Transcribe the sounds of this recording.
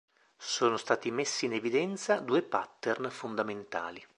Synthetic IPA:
soːnost̪aːt̪imesːiːnevid̪ɛnt̪sad̪uːepat̪ːernfond̪ament̪a̰ːli

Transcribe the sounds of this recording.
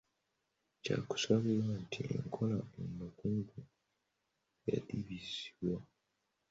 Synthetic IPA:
ca̰ku̥saβilwantʰiḛŋkʰolaenːakuːmbu | ja̰liβizi̥βwa

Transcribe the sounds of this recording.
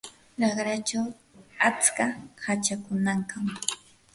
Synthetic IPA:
ɾɑχɾat͡ʃaw | at͡skahat͡ʃakʊnaŋkam

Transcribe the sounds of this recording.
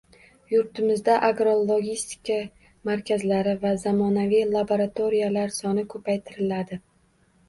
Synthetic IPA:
jʊɾt̪ʰɪmɪzd̪aʔaɡɾolˠoɡʲist̪ɪ̥kʲʰa | maɾkʲʰazlaɾɪvazamɒnavijlˠaboɾat̪ʰoɾijalaɾsɒnɪkʰɵpʰajt̪ʰɪɾɪlad̪ɪ

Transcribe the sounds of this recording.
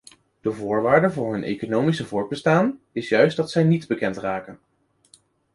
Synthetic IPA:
d̥əvʊːɹʋaːɹdəvʊːɹɦɵnḛjkonowmisəvʊːɹ̚bəstaːn | ɪsjœɥsdɑtsɛjnidbəkɛntraːkən

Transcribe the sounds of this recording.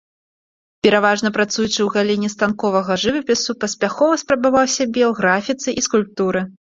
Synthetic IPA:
pʲɛɾavaʐnɐpɾat̪sujut͡ʂɨwɣalʲinʲːist̪ankɔvɐɣɐʐɨvɐpʲɛsupɐsʲpʲaxɔvɐspɾɐbavawsʲɐbʲɛwɣɾafʲit̪sɨʔiskulʲp̚t̪uɾɨ

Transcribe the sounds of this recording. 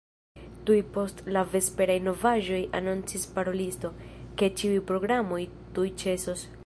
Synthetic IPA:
tujpo̞stlave̞spe̞ɾajno̞vaʒo̞ja̰nunt͡sispaɾo̞listo̞ke̞t͡ʃiujpɾo̞ɡɾamo̞j | tujt͡ʃe̞so̞s

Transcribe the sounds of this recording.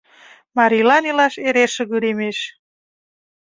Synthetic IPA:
mɑɾilɑnilɑʃeɾeʃə̆ɣyɾemeʃ

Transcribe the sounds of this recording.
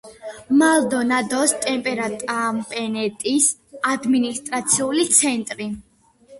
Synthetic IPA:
malˠd̪ɔnad̪ɔst̪ʼɛmpʼɛɾat̪ʼampʼɛnɛt̪ʼisad̪minist̪ʼɾat̪sʰiulit̪sʰɛnt̪ʼɾi

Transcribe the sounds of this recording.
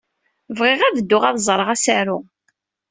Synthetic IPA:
vʁɪʁæðəd̪ːʊʁæðzˤɾˤəʁæsaɾʊ

